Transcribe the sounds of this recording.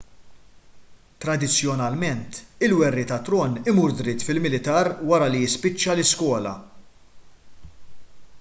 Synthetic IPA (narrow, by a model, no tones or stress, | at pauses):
t̪ɾɐd̪ɪt͡sːjɔnɐlmɛnt̪ɪlwɛrːit̪ɐt̪ɾɔnɪmuːɾd̪ɾɪt̪ːfɪlmɪlɪt̪ɐːɾwɐɾɐlijɪspɪt͡ʃːɐlɪskwɔːlɐ̰